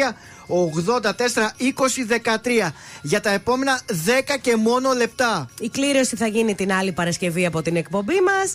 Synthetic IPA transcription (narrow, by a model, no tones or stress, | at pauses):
ɐ | oɣðo̞nd̪ɐt̪e̞se̞ɾɐiko̞siðe̞kɐt̪ɾiɐʝɐt̪ɐe̞po̞me̞nɐðe̞kɐce̞mo̞no̞le̞p̚t̪ɐikliɾo̞siθɐʝinit̪inɐlipɐɾɐsce̞viɐpo̞t̪ine̞kpo̞mbimɐs